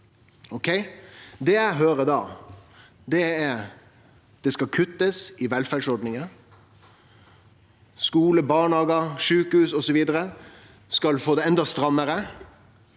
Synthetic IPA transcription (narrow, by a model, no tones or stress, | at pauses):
ɔkʰɛɪd̪ɛjæɪɦøːɾəd̪ɑː | d̪ɛæɾ | d̪̥ɛskɑkʰʉt̪ːəsɪʋɛlfæɖsɔɾɖ̪nɪŋə | skuːləbɑːɳhɑːɡəʂʉːkəhʉːsɔsɔʋiːd̪əɾə | skɑlfoːd̪ɛɛnd̪ɑst̪ɾɑmːəɾə